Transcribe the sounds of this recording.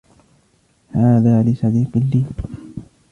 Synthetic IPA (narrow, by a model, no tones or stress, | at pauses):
haːðaːlɪsɑd̪iːqɪlːiː